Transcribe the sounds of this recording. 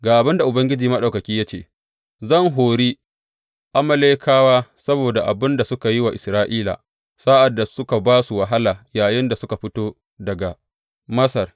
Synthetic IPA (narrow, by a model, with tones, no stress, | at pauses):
ɡaː˨ʔa˨bɪ˦nda˨ʔʊ˨bɐ˦ŋɡʲɪ˦d͡ʒiː˨mɐ˦ɗa˨kɐ˨kʲiː˦jaː˦t͡ʃḛː˨ | zɐ˦˨ŋɦoː˨ɾiː˦ | ʔa˦mɐ˦leː˦kʰaː˦waː˦sɐ˦boː˨da˨ʔa˨bɪ˦nda˨sʊ˦ka˨ji˦wa˨ʔɪ˨sɾaː˦ʔiː˦la̰˨ | sa˦ʔa˨dːa˨sʊ˦ka˨baː˦su˨wɐ˨ɦa˦laː˨jaː˨jɪ˦nda˨sʊ˦ka˨ɸɪ˦toː˦ | dɐ˨ɡa˨ | mɐ˦sɐ˨r